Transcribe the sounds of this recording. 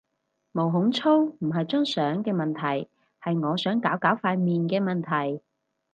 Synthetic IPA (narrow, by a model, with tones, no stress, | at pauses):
mo˨˩wɦʊ˨˥ŋt͡sʰo˥wm̩˨˩ɦɐ˨jt͡sœː˥ŋsœː˨˥ŋkɛː˧mɐ˨nt̪ʰɐ˨˩j | hɐ˨jŋɔː˨˧sœː˨˥ŋkaː˨˥wkaː˨˥wfaː˧miː˨nkɛː˧mɐ˨nt̪ʰɐ˨˩j